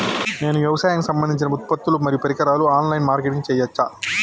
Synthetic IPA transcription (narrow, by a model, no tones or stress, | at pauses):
neːnuʋjɐʋɐsaːjɐŋkisɐmbɐnd̪iɲt͡ʃinɐut̪̚pɐt̪ːulumɐɾijupɐɾikɐɾaːluaːnlɐjnmaːɾkeʈiŋt͡ʃɛːjːɐt͡ʃːa